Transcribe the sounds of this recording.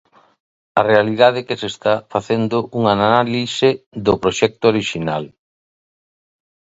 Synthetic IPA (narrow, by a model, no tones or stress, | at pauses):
ɐrealið̞aðekesest̪afaθend̪ʊʔuŋanaalisɪðʊpɾoʃɛk̚t̪ʊoɾiʃinal